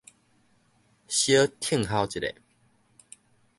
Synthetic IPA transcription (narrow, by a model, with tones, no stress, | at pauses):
ɕjə˦t̪ʰi˥˧˨ŋɦa˧ʊt͡ɕi˨ɾḛ˨˩